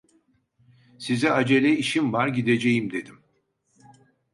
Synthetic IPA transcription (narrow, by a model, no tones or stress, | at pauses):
sizɛad͡ʒe̞lʲɛiʃimvaɾɟid̪e̞d͡ʒejimd̪e̞d̪im